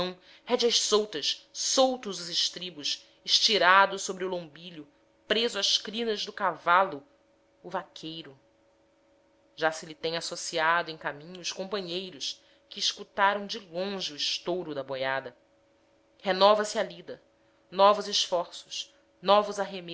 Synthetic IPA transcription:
ɐ̃ | hɛd͡ʒɐʃsowt̪ɐʃsowt̪ʊzʊzɪʃt̪ɾibʊʃ | ɪʃt͡ʃiɾad̪ʊsobɾiulõbiʎʊ | pɾezʊɐʃkɾinɐʒd̪ʊkavalʊː | vakʰejɾʊ | ʒasɪlɪt̪ẽjɲ̃asosiad̪ʊẽkamĩɲʊːʃkõmpɐ̃ɲejɾʊs | kɪːʃkut̪aɾɐ̃w̃d͡ʒɪlõʒɪuɪʃt̪owɾʊd̪ɐbojad̪ɐ | henɔvɐsɪalid̪ɐ | nɔvʊzɪʃfɔχsʊ̥ʃ | nɔvʊzaɦem

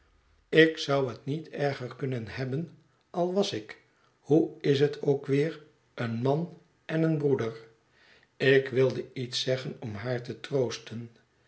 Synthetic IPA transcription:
ɪksʌwɦətnitɛɹχəɹkɵnənhɛbən | ɑlˠʋɑsɪk | huɪs̬ɦətʰowkʋɪːɹ | ənmɑn | ɛnənbrudəɹ | ɪkʋɪlˠdəitsɛχənɔmɦaːɹtətrowstən

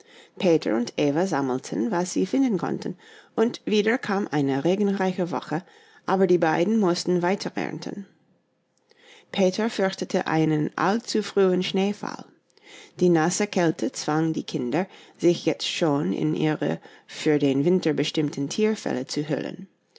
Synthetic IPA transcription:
pʰeːtʰə̰˞ʊntʔeːvazaml̩tʰənvasz̥iːfɪndn̩kʰɔ̰ntʰn̩ʔʊntviːdɐkʰaːmʔaɪnəʁeːɡl̩ʁaɪçəvɔ̰χə | ʔaːbɐdiːbaɪdn̩mʊstn̩vaɪtʰəʔɛ̰ɹntʰə̰n | pʰeːtə˞fʏɐçtətʰəʔa̰ɪnənʔa̰lt͡sufʁ̥yːənʃneːfa̰l | d̥iːnasəkʰɛltʰət͡sv̥aŋdḭːkʰɪndəz̥ɪçjɛt͡stʃoːnɪ̰nʔiːʁə̰fyːɐdeːnvɪntəbəʃtɪmtn̩tʰiːɐfɛ̰lət͡suɦʏ̰lə̰n

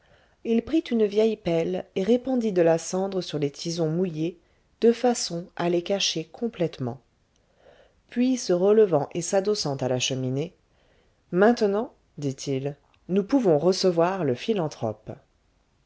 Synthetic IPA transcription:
ilpχit̪ynvjɛjpɛleʁepɑ̃d̪id̪əlasɑ̃d̪ʁəsyʁlet̪ʰizɔ̃muje | d̪̥əfasɔ̃alekaʃekʰɔ̃plɛt̪mɑ̰̃ | pɥisəʁələvɑ̃ʔesad̪osɑ̃t̪alaʃəmine | mɛ̃t̪ənɑ̃ | d̪it̪ʰil | nupuvɔ̃ʁəsəvwaʁləfilɑ̃t̪χɔ̰p

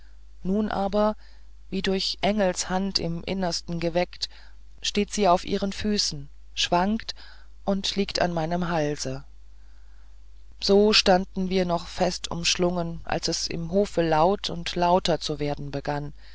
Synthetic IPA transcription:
nuːnʔa̰ːbɐ | viːdʊɐçʔɛŋl̩shantɪ̰mʔɪ̰nɐstn̩ɡəvɛkt | ʃteːtz̥iːaʊfʔḭːʁənfyːsn̩ | ʃv̥aŋkt | ʔʊntliːkta̰nmaɪnəmɦalzə | z̥oːʃtandn̩viːɐnɔχfɛstʰʊ̰mʃlʊŋənʔa̰lsɛsɪ̰mɦoːfəlaʊtʰʊ̰ntlaʊtɐt͡suveːɐdn̩bəɡan

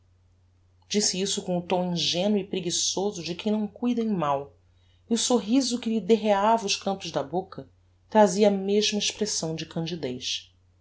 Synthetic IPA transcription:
d͡ʒisɪisʊkõʊt̪õw̃ĩʒẽnʊɪpɾeɡisozʊd͡ʒɪkẽj̃nɐ̃w̃kujd̪ɐ̃ẽj̃maw | iʊsoɦizʊkɪlɪd̪eɦeavɐʊʃkɐ̃nt̪ʊʒd̪ɐbokɐ | t̪ɾaziɐːmeʒmɐeʃpɾesɐ̃w̃d͡ʒɪkɐ̃nd͡ʒid̪ejʃ

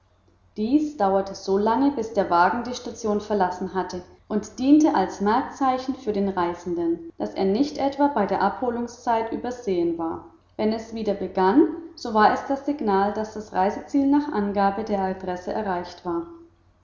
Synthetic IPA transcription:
d̥iːsd̥aʊɐtʰəz̥oːlaŋəbɪsd̥eːɐvaːɡŋ̩diːʃtat͡sjoːnfɛɐlasn̩ɦatʰə | ʔʊntd̥iːntəʔalsmaɐk̚t͡saɪçn̩fyːɐdeːnʁaɪzn̩dənd̥asʔḛːɐnɪçtʔɛtv̥aːbaɪdeːɐʔaphoːlʊŋst͡saɪtʔyːbɐzeːənvaːɐ | vɛnɛsv̥iːdɐbəɡanz̥oːvaːɐɛsd̥asz̥ɪɡnaːld̥asd̥asʁa̰ɪzət͡siːlnaːχʔanɡaːbədeːɐadʁɛsəʔɛ̰ɐʁaɪçtv̥aːɐ

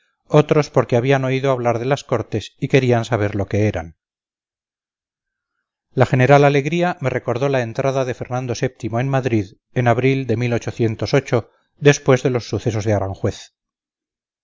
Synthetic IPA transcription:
o̞t̪ɾo̞spo̞ɾkeaβ̞iano̞iðoaβ̞laɾðe̞lasko̞ɾt̪e̞sike̞ɾiansaβ̞e̞ɾlo̞ke̞eɾa̰n | laχe̞ne̞ɾalale̞ɣɾiame̞re̞ko̞ɾðo̞laent̪ɾaðaðe̞fe̞ɾnãnd̪o̞se̞p̚t̪imo̞enmaðɾið | enaβɾild̪e̞milo̞t͡ʃo̞θje̞nt̪o̞so̞t͡ʃo̞ | d̪e̞spwe̞zðe̞lo̞sːuθe̞so̞zðeaɾaŋxwe̞θ

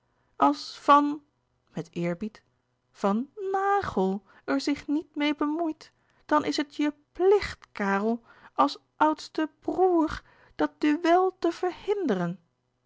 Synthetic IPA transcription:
ʔɑlˠsfɑn | mɛtɪːɹbit | v̥ɑnːaːχəlˠ | əɹzɪχnitmejbəmujt | d̥ɑnʔɪsɦətjəplɪχtkaːrəlˠʔɑlˠs | ʔʌwtstəb̥ruːɹ | d̥ɑt̚dyʋɛlˠtəv̥əɹhɪndərən

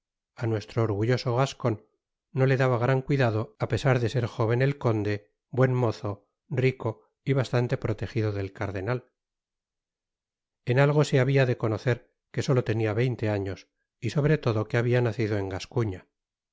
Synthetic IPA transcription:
anwe̞st̪ɾoːɾɣuʝo̞soɣ̞asko̞nː | o̞le̞ðaβaɣɾaŋkwiðaðo̞ape̞saɾðe̞se̞ɾxo̞β̞e̞ne̞lko̞nd̪e̞ | bwe̞nmo̞θo̞ | rriko̞ | iβast̪ant̪e̞pɾot̪e̞xiðoðe̞lkaɾðe̞nal | e̞nalɣo̞seaβiaðe̞ko̞noθe̞ɾ | ke̞so̞lo̞t̪e̞niaβe̞jnt̪e̞aɲo̞s | iso̞β̞ɾe̞t̪o̞ðo̞keaβianaθiðoe̞ŋɡaskuɲa

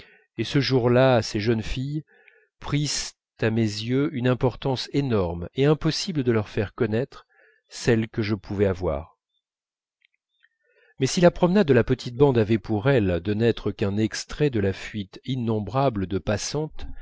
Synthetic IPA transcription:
esəʒuʁlaseʒənfij | pχis | t̪amezjøynɛ̃pɔʁt̪ɑ̃senɔʁmeɛ̃pɔsibləd̪əlœʁfɛʁkɔnɛt̪χ | sɛlkəʒəpʰuvɛavwa̰ːʁ | mɛsilapχɔmnad̪̚ːəlapət̪ʰit̪̚bɑ̃d̪avɛpʰuʁɛld̪ənɛt̪χəkɛ̃nɛkst̪χɛd̪əlafɥit̪inːɔ̃bʁabləd̪əpasɑ̃t̪

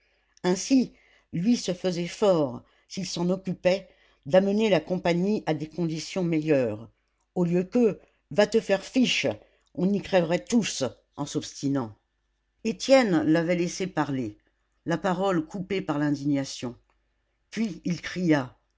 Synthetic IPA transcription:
ɛ̃si | lɥisəfəzɛfɔʁ | silsɑ̃nɔkʲypɛ | d̪amənelakɔ̃paɲiʔad̪ekɔ̃d̪isjɔ̃mejœʁ | oljøkə | vat̪əfɛʁfiʃ | ɔ̃nikχɛvʁɛt̪us | ɑ̃sɔpst̪inɑ̃ | et̪jɛnlavɛlesepaʁle | lapaʁɔlkʰupepaʁlɛ̃d̪iɲasjɔ̃ | pɥiːlkχija

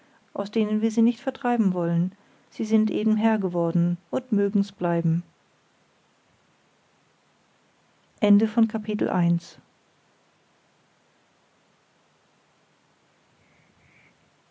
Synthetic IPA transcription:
ʔaʊsd̥eːnənviːɐziːnɪçtfɛɐtʁ̥aɪbm̩vɔlən | z̥iːzɪntʔeːbm̩ɦɛɐɡəvɔɐdn̩ʔʊntmøːɡŋ̩sb̥laɪbm̩ | ʔɛndəfɔnkʰapʰitl̩̰ʔaɪns

